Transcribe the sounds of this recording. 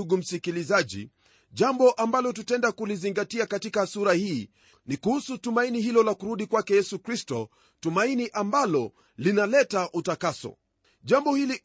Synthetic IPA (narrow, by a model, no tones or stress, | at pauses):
uɡum̩sikilizaʄḭ | ʄambɔʔambalɔtutɛndakuliziŋɡatiakatikasuɾahiː | nikuhusutumainihilɔlakuɾuɗikwakɛjɛsukɾistɔ | tumainiʔambalɔ | linalɛtaʔutakasɔ̰ | ʄambɔhili